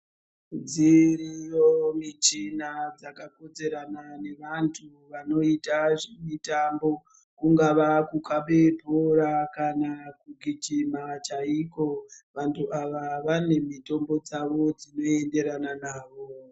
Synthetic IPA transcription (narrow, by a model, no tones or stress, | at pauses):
d͡ziɾijomit͡ʃinad͡zakako̞d͡zeɾanane̞ʋantʰu | ʋano̞itaʐemitambo̞ | kuŋɡaʋakukʰaɓe̞poɾakanakuɡʱit͡ʃimat͡ʃaiko̞ʋantʰuaʋaʋane̞mito̞mbo̞d͡zaʋo̞d͡zino̞e̞nde̞ɾananaːʋo